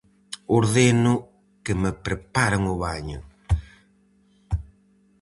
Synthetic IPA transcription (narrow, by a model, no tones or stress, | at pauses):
oɾðenʊ | kɪmepɾepaɾaŋʊβaɲʊ̰